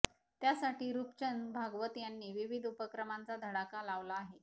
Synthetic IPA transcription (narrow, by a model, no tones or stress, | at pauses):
t̪jasaʈiːɾupt͡ɕənbʱaɡʋət̪janːiːʋiʋid̪ʱupəkɾəmant͡sad̪ʱəɽakalaʋlaːɦe